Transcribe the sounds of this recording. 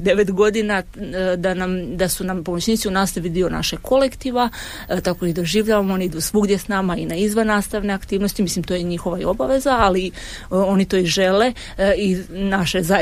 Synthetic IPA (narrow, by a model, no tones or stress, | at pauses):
d̪e̞ʋet̪ɡo̞d̪inad̪anamd̪asunampo̞mot͡ɕnʲiːt̪siunaːst̪aʋid̪io̞na̰ʃeɡkʰo̞lekt̪iːʋa | t̪ako̞id̪oʒiːʋʎaʋamooniid̪usʋuɡd̪jesnamainaizʋanːaːst̪aʋne̞akt̪iːʋno̞st̪imislimt̪o̞jeɲixo̞ʋaio̞baʋe̞zaːli | o̞nit̪o̞iʒe̞le̞ | inaʃeza